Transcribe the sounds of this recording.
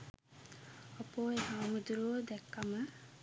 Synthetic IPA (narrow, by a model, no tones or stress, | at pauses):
opoːehaːmud̪uɾoːd̪ɛkːamə